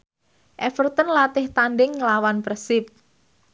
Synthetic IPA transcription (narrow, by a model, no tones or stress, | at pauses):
ʔɛfərt̪ənlat̪ɪht̪anɖɪŋːəlawanpresɪp̚